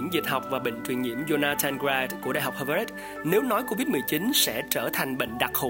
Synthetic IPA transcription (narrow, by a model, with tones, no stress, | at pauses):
əŋzi˨˩t̚ha˨˩wk͡p̚vaː˨˩ɓḛ˧˨ŋ̟t͡ɕwi˨˩ənŋḭ˧˩əmzo˧naː˧t̪ʰa˧nɡa˧t̚ku˧˩ɗa̰ː˧˨˩ɦa˨˩k͡p̚hə˧va˧ɾi˦˥t̚ | ne˨˦wnɔ˨˦jko˧vi˦˥t̚mɨ˨˩jt͡ɕi˨˦nsɛ̰˧˥t͡ɕəː˧˩t̪ʰa˨˩jŋ̟ɓḛ˧˨ŋ̟ɗa˨˩k̚ho˨˩